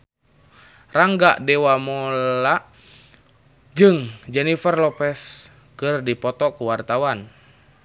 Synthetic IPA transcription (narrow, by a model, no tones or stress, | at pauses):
raŋɡaʔdɛwamɔlaʔ | d͡ʒɨŋd͡ʒɛnifərlɔpɛs | kɨrdipɔt̪ɔkuwart̪awan